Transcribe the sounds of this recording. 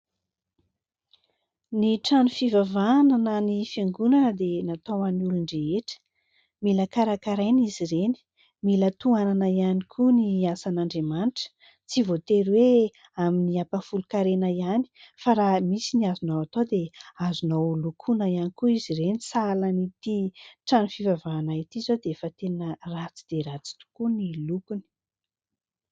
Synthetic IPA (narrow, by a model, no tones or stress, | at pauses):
niʈ͡ʂanufivavananənifjeŋɡunanəd̪enat̪owaniuluɳɖ͡ʐeeʈ͡ʂə̥ | miləkaɾakaɾajniziɾeni̥ | milət̪uananəianikʰuniasanaɳɖ͡ʐemanʈ͡ʂə̥ | t͡sivot̪eɾwe | aminiapafulukaɾenaiani̥faɾamisiniazunowat̪od̪eazunowlukʰunəjanikuizirenisalanit̪iʈ͡ʂanifivavaːnait̪izod̪efat̪enərat͡si̥d̪̥eɾat͡si̥t̪u̥kunilukuni̥